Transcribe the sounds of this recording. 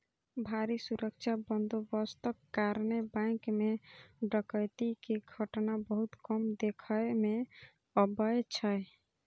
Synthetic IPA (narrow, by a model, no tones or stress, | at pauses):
bʱaɾisuɾəkt͡ʃʰabənd̪obəst̪əkːaɾnebãɪkmeɖəkəjt̪ikeɡʱəʈnabəɦut̪kɔmd̪ekʰəjme | əbəet͡ʃʰəj